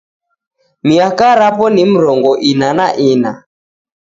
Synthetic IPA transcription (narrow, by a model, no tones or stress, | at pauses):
miakaɾapɔnim̩ɾɔŋɡɔʔinanaʔina